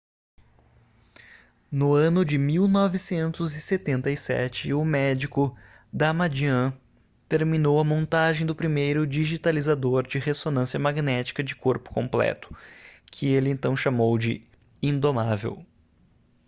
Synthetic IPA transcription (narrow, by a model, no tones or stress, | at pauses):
nʊɐ̃nʊd͡ʒɪmiwnɔvɪsẽnt̪ʊzɪset̪ẽnt̪ɐisɛ̰t͡ʃɪʊmɛd͡ʒikʊ | d̪amad͡ʒiɐ̃ | t̪eɾminowɐmõnt̪aʒẽj̃d̪ʊpɾimejɾʊd͡ʒiʒit̪alizad̪oɾd͡ʒɪhesonɐ̃siɐmaɡnɛt͡ʃi̥kɐd͡ʒɪkoɾpʊ̥kõmplɛ̰t̪ʊ̥kʰɪelɪẽnt̪ɐ̃w̃ʃamowd͡ʒɪ | ĩnd̪omavḛw